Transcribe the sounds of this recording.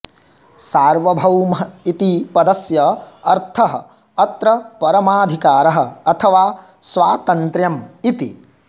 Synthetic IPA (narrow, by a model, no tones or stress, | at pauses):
saːɾʋɐbʱɐwmɐit̪ipɐd̪ɐsjɐɐɾt̪ʰɐɦɐ̆ | ɐt̪ɾɐpɐɾɐmaːd̪ʱikaːɾɐɦɐ̆ɐt̪ʰɐʋaː | sʋaːt̪ɐnt̪ɾjɐmit̪i